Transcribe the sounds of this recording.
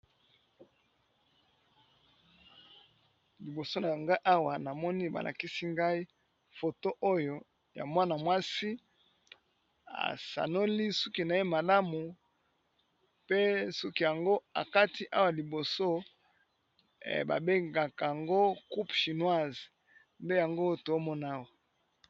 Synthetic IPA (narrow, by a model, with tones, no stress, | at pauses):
li˨bo˨so˦na˨a˨ŋɡa˦i˦ʔa˦wa˨na˨mɔ˦ni˦ba̰˨lʔa̰˨ki˦si˦ŋɡa˦i˦ | fo˨to˦ʔo˦jo˦ | ja̰˨mwa˦na˨mwa˦si˦ | a̰˨sa̰˨no˦li˦su˦ki˦na˨e˦ma˨la˦mu˨ | pe˦su˦ki˦ja˨ŋɡo˦a̰˨ka˦ti˦ʔa˦wa˨li˨bo˨so˦˨ | ba̰˨be˦ŋɡa˨ka˨a˨ŋɡo˦ku˦pʃi˨nwa˦˨z | nde˦ja˨ŋɡo˦to˨o˦mɔ˦na˦wa˨